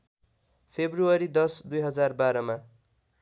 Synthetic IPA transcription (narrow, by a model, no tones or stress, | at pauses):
pʰebruʌɾid̪ʌsd̪ujɦʌd͡zarbaɾʌma